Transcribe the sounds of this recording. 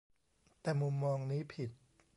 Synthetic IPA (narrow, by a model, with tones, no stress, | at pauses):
t̪ɛː˨˩mu˧mːɔː˧ŋniː˦˥pʰi˨˩t̪̚